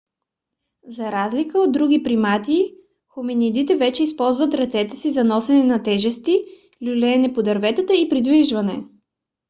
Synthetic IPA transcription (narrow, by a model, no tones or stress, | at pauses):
zɐɾazlikəod̪̚d̪ɾuɡipɾimat̪iː | xʊminid̪it̪ɛvɛt͡ʃɛispɔlˠzvɐt̪ɾɐt̪sɛt̪ɛsizɐnɔsɛnɛnɐt̪ɛʒɛst̪i | lʲulɛːnɛpod̪ɐɾvɛt̪ət̪əipɾid̪viʒvɐnɛ̰